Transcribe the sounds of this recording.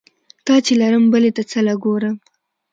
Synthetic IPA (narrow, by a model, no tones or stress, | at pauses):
t̪ɑt͡ʃelaɾəmbəlet̪at͡səlaɡoɾəm